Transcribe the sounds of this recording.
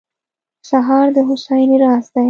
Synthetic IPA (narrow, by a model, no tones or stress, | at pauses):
ʃaɦɑɾd̪əɦʊʃajniɾɑsd̪a